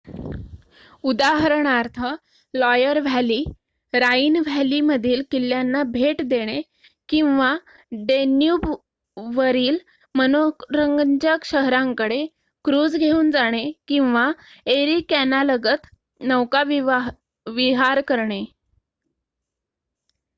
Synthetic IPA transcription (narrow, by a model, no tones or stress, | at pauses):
ud̪aɦəɾɳaɾt̪ʰə | lɔjəɾʋ̤ʱjaliː | ɾaiːnʋ̤ʱæliməd̪ʱiːlkilːjanːabʱeʈd̪eɽ̃e | kĩw̃ʋa | ɖenjuːb | ʋəɾiːl | mənokɾəŋɡənd͡ʑəkɕəɦɾãŋkəɽe | kɾuːd͡zɡʱeuːnd͡zaɽ̃ekĩw̃ʋa | eɾikænaləɡət̪ | nəwkaʋ | ʋiɦaɾkəɾɳe